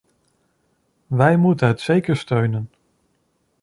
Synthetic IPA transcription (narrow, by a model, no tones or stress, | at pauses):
ʋɛjmutənɦətsejkəɹstøɥnən